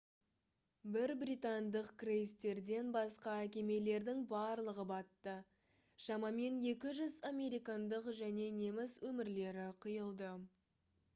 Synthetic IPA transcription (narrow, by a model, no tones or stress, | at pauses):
bɪɾbɾijt̪ɑnd̪əqkrejst̪e̞ɾd̪e̞nbɑsqɑækʲe̞me̞le̞ɾd̪ɪŋbɑɾlˠəʁəbɑt̪ːə | ʃɑmɑme̞nje̞kʲɪʒʏzamʲe̞ɾijkɑnd̪əqʒæne̞ne̞mɪswɵmɪɾle̞ɾɪqʰijəlˠd̪ə